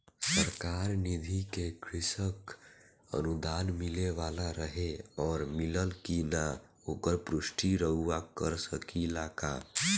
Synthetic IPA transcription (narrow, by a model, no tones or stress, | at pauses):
səɾkaɾnid̪ʱikekɾɪsək | ə̰nud̪aːnmɪleʋalaɾəɦeɔːɾmiləlkina | okəɾpɾʊsʈʰiɾəɦuakəɾsəkilaka̰